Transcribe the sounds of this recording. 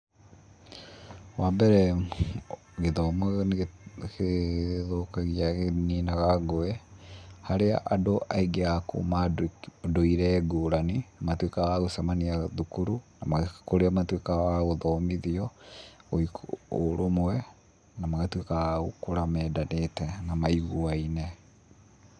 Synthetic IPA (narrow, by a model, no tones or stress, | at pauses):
wambɛɾɛ | ɣeðɔmwɛɣneɣkeðokaɣiaɣeninaɣaɡoɛhaɾeaʔadoʔaiɡeako̰maddoiɾɛɡoːɾaninamatwekaɣaɣosamaniaðukuɾunamakoɾeamatwekawaɣoðɔmiðiɔoikoɾomwɛ | namaɣatwekaɣaokoɾamɛːdanetɛnamaiɣuainɛ